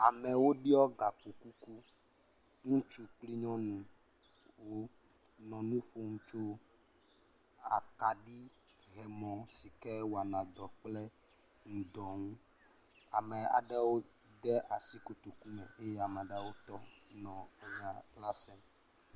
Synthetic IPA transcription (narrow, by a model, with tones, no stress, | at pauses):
a˨mɛ˨wo˦ɖi˦ɔ˦ɡa˨k͡pu˨ku˦ku˦ | ŋũ˦t͡ʃu˦k͡pli˦ɲɔ̃˦nũ˨ | wo˦ | nɔ̃˨nũ˦ɸo˦ŋũ˦t͡ʃo˦ | a̰˨ka˨ɖi˦ | ɦɛ˨mɔ̃˨si˨kɛ˦wo˨a˨nã˨d̪ɔ˨k͡plɛ˦ | ŋũ˨d̪ɔ˨ŋũ˦ | a˨mɛ˨a̰˨ɖɛ˦wo˦ | d̪ɛ˦ʔa˨si˦ko˦t̪o˨ku˦mɛ̰̃˨e˦jɛ˦a˨mɛ˨ɖɛ˦wo˦t̪ɔ˦nɔ̃˨ɛ˨va˨la˦sɛ˦m